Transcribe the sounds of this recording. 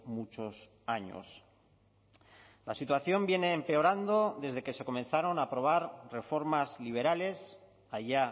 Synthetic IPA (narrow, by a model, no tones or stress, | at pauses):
mut͡ʃo̞s | aɲo̰s | lasit̪waθjo̞mbje̞ne̞ːmpe̞o̞ɾand̪o̞ðe̞zðe̞ke̞seko̞mẽ̞nθaɾo̞naːpɾo̞β̞aɾre̞fo̞ɾmazliβ̞e̞ɾale̞s | aʝa